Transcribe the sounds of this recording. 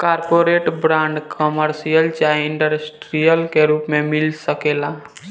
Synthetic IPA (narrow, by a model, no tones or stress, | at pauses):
kaːɾpoɾeːʈbɾãːɳɖkʰəməɾsijəlt͡ʃaɪɳɖəɾesʈɾijəlkeɾuːpmẽmɪlsəkela